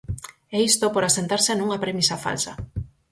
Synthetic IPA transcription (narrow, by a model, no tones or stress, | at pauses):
ɛist̪opoɾasent̪aɾseanuŋɐpɾemisafa̰lsɐ